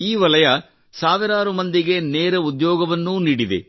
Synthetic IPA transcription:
iːʋɐlɐjɐ | saːʋiɾaːɾumɐnd̪iɡe̞neːɾɐud̪jɔːɡɐʋɐnːuniːɽid̪ḛ

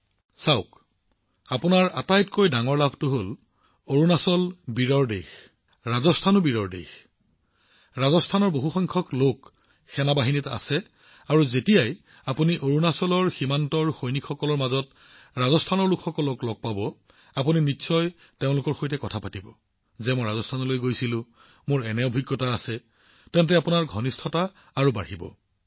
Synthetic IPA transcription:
saʊk | apunaɹatajtkojdaŋɔɹlabʱtʊɦol | oɹunasɔlbiɹɔɹdex | ɹazɔstʰanʊbiɹɔɹdḛx | ɹazɔstʰanɔɹboɦuxɔŋkʰɔklok | xɛnabaɦinita̰sɛ | aɹuzetijaj | apuniʔoɹunasɔlɔɹximantɔɹxojnikxɔkɔlɔɹmazɔt̚ | ɹazɔstʰanɔɹlukʰxɔkɔlɔklɔɡ̚pabɔ | apuninisɔj | teʊ̃lʊkɔɹxojtɛkɔtʰapatibɔ̰ | zɛmojɹazɔstʰanɔlojɡojsilʊ̃ | moɹɛnɛobʱiɡːɔtaːsɛ | tɛntɛapunaɹɡʱɔnistʰɔtaː | ɹuba̰ɹibɔ̰

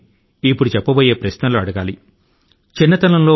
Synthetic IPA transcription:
ipːuɽut͡ʃɛpːɐboːje̞ːpɾɐʃnɐluɐɽɐɡaːli | t͡ʃinːɐt̪ɐlɐmloː

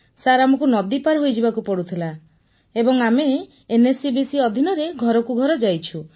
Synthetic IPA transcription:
saɾamɔkunɔd̪ipaɾɦojd͡ʒibakupɔɽut̪ʰila | ebɔŋameː | nesibisiɔd̪ʱinɔɾeɡʱɔɾɔkuɡʱɔɾɔd͡ʒajt͡ʃʰu

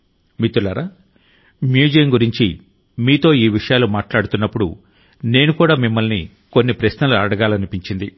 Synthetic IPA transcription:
mit̪ːulaːɾaː | mjuːd͡ʒijɐmɡuɾiɲt͡ʃi | miːt̪o̞ːiːʋiʂɐjaːlumaːʈlaːɽut̪unːɐpːuɽṵ | ne̞ːnukuːɽaːmimːɐlni | ko̞nːipɾɐʃnɐluɐɽɐɡaːlɐnipiɲt͡ʃind̪i

